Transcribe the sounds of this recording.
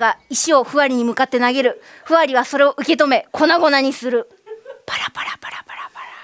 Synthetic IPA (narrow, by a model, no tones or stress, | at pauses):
ɡaiɕio̞ɸɯ̟βaɾʲiɲ̟imɯ̟kat̪ːe̞naɡe̞ɾɯ̟ɸɯ̟βaɾʲiβ̞aso̞ɾe̞o̞ʔɯ̟ke̞t̪o̞me̞kʰo̞naɡo̞naɲ̟isɨɾɯ̟ | paɾapaɾapaɾapaɾapaɾa